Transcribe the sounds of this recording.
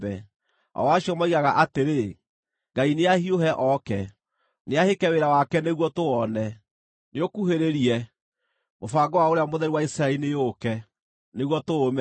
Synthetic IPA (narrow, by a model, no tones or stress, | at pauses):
bɛ̰ | ɔ̰waɕiɔmaiɣaɣaʔateɾe | ŋɡaineahioɦɛʔɔkɛ | neahekɛweɾawakɛneɣwɔtoɔnɛ | neokuheɾeɾiɛ | mofaɡɔwaoɾeamoðɛɾiwaisɾaɛɾinejokɛ | neɣwɔtoomɛ